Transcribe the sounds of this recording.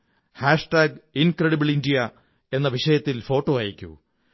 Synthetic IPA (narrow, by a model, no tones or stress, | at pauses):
haːʂʈaːɡinkɾeɽibiɭindijɐ | e̞nːɐʋiʂɐjɐt̪ːilfo̞ːʈːoːaːjikʲːṵ